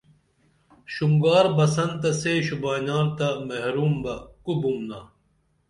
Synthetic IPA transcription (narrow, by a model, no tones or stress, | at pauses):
ɕuŋɡaːɾbɐsɐnt̪ɐseːɕubaːnaːɾt̪amɐɦɾuːmbɐkubumnaː